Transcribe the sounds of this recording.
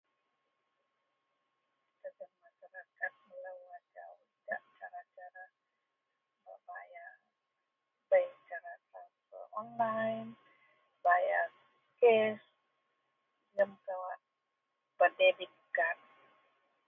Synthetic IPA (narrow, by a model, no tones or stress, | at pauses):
səɡənmaʃaɾakat̪̚məlaad͡ʒa̰wd͡ʒa̰ʔt͡ʃaɾat͡ʃaɾa | ba̰baja | bat͡ʃaɾasafə̰ɔnlajn | baja | kɛs | nəmkawa | pədebikkan